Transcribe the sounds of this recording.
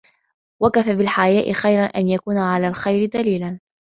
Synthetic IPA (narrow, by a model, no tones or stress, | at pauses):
wakafabɪlħajaːʔɪxajɾanʔa̰njakuːnaʕalaːlxajɾɪd̪aliːlan